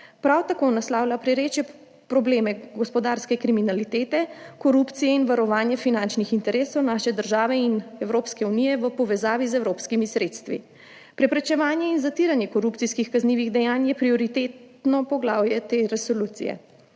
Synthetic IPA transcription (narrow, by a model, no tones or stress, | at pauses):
pɾawt̪akoːnaslaːwlapɾɛɾeːt͡ʃjɛ | pɾɔbleːmɛɡɔspɔd̪aːɾskɛkɾiminalit̪eːt̪ɛkɔɾupt̪sijɛinʋaɾɔʋaːnjɛfinant͡ʃnixint̪ɛɾeːsɔwnaːʃɛd̪əɾʒaːʋɛinɛwɾoːpskɛunijɛʋəpɔʋɛzaːʋizɛwɾoːpskimisɾet̪st̪ʋḭ | pɾɛpɾɛt͡ʃɛʋaːnjɛinzat̪iɾanjɛkɔɾup̪siskixkazniːʋiɣd̪ɛjaːnjɛpɾiɔɾit̪eːt̪nɔpɔɡlaːwjɛt̪eɾɛsoluːt̪sḭjɛ̰